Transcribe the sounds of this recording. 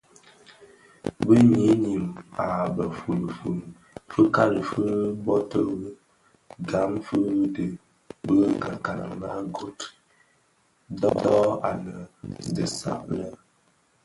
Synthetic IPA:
bɨ˦ɲi˦ɲi˨ma˨bə˨fu˨lɨ˨fu˨ | fɨ˦ka˦lɨ˨fɨ˦bɔ˦tə˦b | ɡa˨˦mfɨ˦dɨ˨ | bə˦ɡa˨ka˨la̰˨ŋla˦ɡo˦t | dɔ˦dɔ˦a̰˨nə˨dɨ˨sa̰˨ʔlə˦

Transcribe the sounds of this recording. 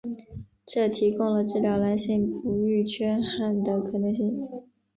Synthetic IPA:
ʈ͡ʂɤ˥˩t̪ʰi˧˥kʊ˥ŋlə˨˩ʈ͡ʂɻ̩˥˩ljɑ˨˧˥ʊla˧˥nɕi˥˩ŋpu˧˥y˥˩t͡ɕʰɥɛ˥nxa˥˩nd̪ə˧˩kʰɤ˨˩nɤ˧˥ŋɕi˥˩ŋ

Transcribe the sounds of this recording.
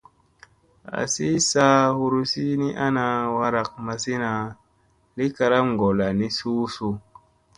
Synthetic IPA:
a̰˨si˦sa˦hu˧ɾu˦si˦ni˦ʔa˦na˧wa˧ɾa˨k̚ma˧si˦na˨ | li˦ka˧ɾa˦mŋ˨ɡo˨la˨ni˦suː˦su˨˧

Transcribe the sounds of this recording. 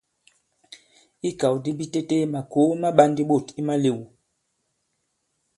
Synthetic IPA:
i˦ka˨wdi˦bi˦te˦te˦ma˨ko˨˦ma˦ɓa˦ndi˦ɓo˦˨ti˦ma˦le˨wu˨

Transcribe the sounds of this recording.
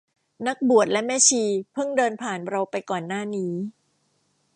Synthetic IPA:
na˦˥k̚bu˨˩ət̪̚lɛ˦˥mɛː˦˥˩t͡ɕʰiː˧pʰɯ˥˩ŋdɤː˧npʰaː˨˩nɾa˧wpa˧jkɔː˨˩nːaː˥˩niː˦˥

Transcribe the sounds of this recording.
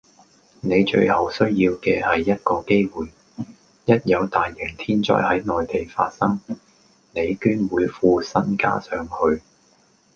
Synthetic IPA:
ne˨˧jt͡ʃɵ̰˧ɥhɐ˨˩wsɵ˥ɥjiː˧wkɛː˧hɐ˨jːɐ˥t̚kɔː˧ke˥jwuː˨˩j | jɐ˥t̚jɐ˨˧wt̪aː˨jːɛ˨˩ŋt̪ʰiː˥nt͡ʃɔ̰ː˥jhɐ˨˥jnɔː˨jt̪e˨jfa̰ː˧t̚sɐ˥ŋ | ne˨˧jkyː˥nwuː˨˧jfuː˧sɐ˥nka̰ː˥sœː˨˧ŋhɵ˧ɥ

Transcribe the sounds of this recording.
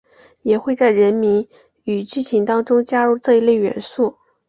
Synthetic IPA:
jɛ˨˩xwe˥˧ɪt͡sa˥˩ɪɻə˧˥nmi˧˥n | y˨˩t͡ɕy˥˩t͡ɕʰi˧˥nt̪ɑ˥ŋʈ͡ʂʊ˥ŋt͡ɕja˥ɻu˥˧t͡sɤ˥˩i˧˥le˥˩ɪɥɛ̰˧˥nsu˥˩

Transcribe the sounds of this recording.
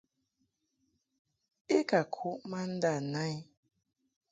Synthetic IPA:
e˦ka˨kʰu˦ʔma˦n̩˦da˦˨na˦i˦

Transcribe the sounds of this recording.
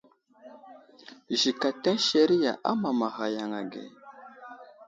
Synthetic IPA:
ʒi˨ka˨ta˦nʃe˨ɾi˦ja̰˨ʔa̰˦ma˨ma˨ɣa˨ja˨ŋa˨ɡḛ˨

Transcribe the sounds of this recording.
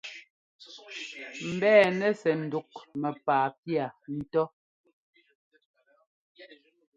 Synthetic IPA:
m̩˨bɛː˦˨nɛ˦sɛ˨n̩˨du˨k̚mɛ˨paː˨pja˨n̩˦tɔ˦

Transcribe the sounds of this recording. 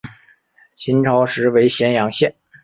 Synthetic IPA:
t͡ɕʰi˧˥nʈ͡ʂʰɑ˧˥ʊʂɻ̩˧˥we˧˥ɪɕjɛ˧˥njɑ˧˥ŋɕjɛ˥˩n

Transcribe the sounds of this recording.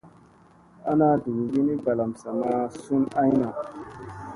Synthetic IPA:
a˦na˦du˨ɡɡi˦ni˦ɡa˨la˨msa˨ma˦su˦na˦jna˨

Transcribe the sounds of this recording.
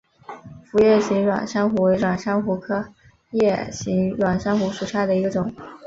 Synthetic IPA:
fu˧˥jɛ˥˩ɕi˧˥ŋɻwa̰˨˩nʂɑ˥ŋxu˧˥we˧˥ɪʈ͡ʂwa˨˩nʂɑ˥ŋxu˧˥kʰɤ˥ | jɛ˥˩ɕi˧˥ŋɻwa˨˩nʂa˥ŋxu˧˥ʂu˨˩ʂʰja˥˩d̪ə˩i˧˥ɡə˧ʈ͡ʂʊ˨˩˦ŋ

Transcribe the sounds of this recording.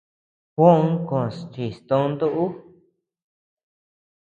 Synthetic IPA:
kõ˦ũ˦kõ˨st͡ʃi˨st̪õ˧˦nd̪u˦ʔu˦

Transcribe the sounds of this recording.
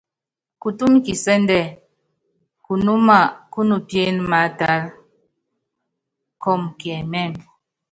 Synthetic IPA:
ku˨tu˦mki˨sɛ˦ndɛ˦˨ | ku˨nu˦ma˦˨ku˦nu˨pje˦nma˨˦ta˨˦l | kɔ˦˨mkɛ˨mɛ˦˨m

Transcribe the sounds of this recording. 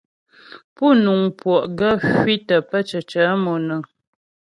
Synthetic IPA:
pu˦˨nu˨ŋpwɔ˨ʔɡə˦hɥi˦tə˨pə˦t͡ʃə˨t͡ʃə˨˦mɔ˨nə˨

